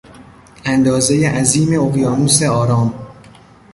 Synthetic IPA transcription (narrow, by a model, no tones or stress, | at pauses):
ʔænd̪ɒːzejeʔæziːme̞oɣjɒːnuːseɒːɾɒːm